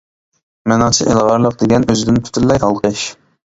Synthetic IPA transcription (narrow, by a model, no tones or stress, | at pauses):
mɛnɑt͡ʃʰiʔelˠʁɑɾlˠəq̚d̪eɡʲɛnøzɪd̪ɪnp̪ʰy̥t̪ʰylːɛjɑlˠqəʃ